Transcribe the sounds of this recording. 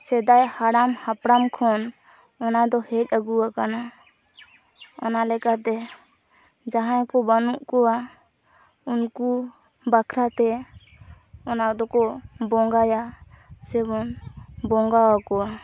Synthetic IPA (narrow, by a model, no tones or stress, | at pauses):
sɛd̪ajhaɽamhapɽamkʰɔn | ɔnad̪ɔhɛc̚ˀəɡuwakana | ɔ̰nalɛkat̪ɛ | d͡ʒaɦãjkɔbanuʔkɔa | unku | bakʰɾat̪ɛ | ɔnad̪ɔkɔbɔŋɡaja | sɛbɔnbɔŋɡawakɔa